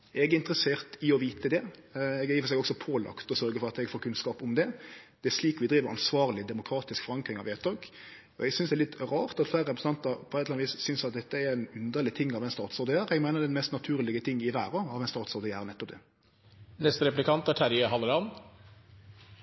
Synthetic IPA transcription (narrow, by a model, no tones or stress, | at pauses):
ʔɛɡɪnt̪əɾəseːɾt̪ɪɔʋiːt̪əd̪ɛɛɡjɪːfəsɛɡɔksɔpʰoːlʔɑ̰kt̪ɔsœɾɡəfɔɾɑt̪ɛɡfoːɾkʰʉnskɑːpʊmd̪ɛd̪̥ɛæʂliːkʋɪd̪ɾiːʋəɾɑ̰nsʋɑːʁlɪd̪ɛmʊkʰɾɑːt̪ɪskfɔɾɑŋkɾɪŋɑ̰ʋɛt̪ɑːɡ | ɔ̰ɛɡsʏnsd̪ɛːlɪt̪ːɾɑːʁt̪ɑt̪flæːɾəɾɛpɾəsn̩ɑnt̪ɑpʰɔɛt̪ːlɑnʋiːssʏnsɑt̪̚d̪ɛt̪ːəæɾɛnʉnd̪əlɪt̪ʰɪŋːɑʋɛnst̪ɑːt̪sɔɾd̪əjæːɾɛɡmæɪnəɾd̪ɛnmɛst̪nɑt̪ʰʉːɾlɪɡət̪ʰɪŋːɪʋæːɾɑɑʋɛɪnst̪ɑːt̪sɔːʁd̪əjæːʁənɛt̪ːɔp̚d̪ɛ̰ | nɛst̪əɾɛplɪkʰɑnt̪æʈʰæɾjəhɑləɾɑn